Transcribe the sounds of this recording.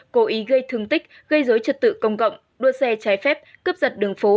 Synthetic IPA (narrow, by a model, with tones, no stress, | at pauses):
ko˨˦ʔi˨˦ɣə˧jt̪ʰɨ˧əŋt̪ï˦˥k̟̚ | ɣə˧jzoː˨˦jt͡ɕə˨˩t̚t̪ɨ̰˧˨kə˧wŋ͡mkə̰˧˨wŋ͡m | ɗu˧əsɛ˧t͡ɕaː˨˦jfɛ˦˥p̚kə˦˥p̚zə˨˩t̚ɗɨ˨˩əŋfo˨˦